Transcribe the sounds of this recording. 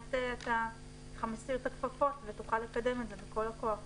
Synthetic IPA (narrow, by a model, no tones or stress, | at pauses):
teata | χamesiotakfafo̞tvetuχalːe̞kade̞mezebeko̞lakoaχ